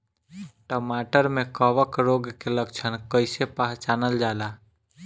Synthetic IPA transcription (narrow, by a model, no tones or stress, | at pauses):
ʈəmaʈəɾmekəʋəkɾoɡkeləkt͡ʃʰənkəɪsepaɦt͡ʃanəld͡ʒala